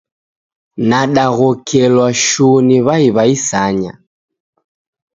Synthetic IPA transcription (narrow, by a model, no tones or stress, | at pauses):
naɗaɣɔkʰɛlwaʃuniβaiβaisaɲa̰